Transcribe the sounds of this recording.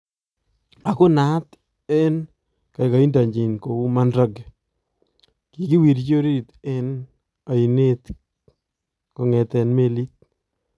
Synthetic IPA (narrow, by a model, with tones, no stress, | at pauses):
a˨kʊ˦na˦t | ɛ˦n | ka˨jka˨i˦nda˨ɲd͡ʒi˨nko˨u˦ma˦nɾa˦ɡ | ki˨ki˦wi˨ɾt͡ʃo˦ɾi˦t̪ɛ˦n | a˨i˨net̪ | kɔ˨ŋɛ˨tɛ˨nme˦li˦t̚